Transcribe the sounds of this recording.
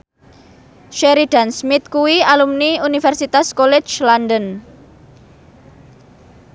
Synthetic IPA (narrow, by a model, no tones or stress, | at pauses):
ʃeɾid̥a̤nsmɪt̪̚kuwialumniunifɛrsit̪askolɛ̥d͡ʒlandən